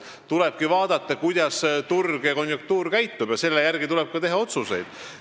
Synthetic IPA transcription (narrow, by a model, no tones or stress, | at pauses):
t̪uleb̥̚kivɑːd̪̥ɑt̪ˑːɑkujd̪̥ɑst̪urɡ̥jɑko̞njuk̚t̪uːɾkæjt̪ːub̥jɑse̞lːejærɡit̪ulɛb̥̚kɑt̪e̞ɦɑo̞t̪suse̞̰jd̪̥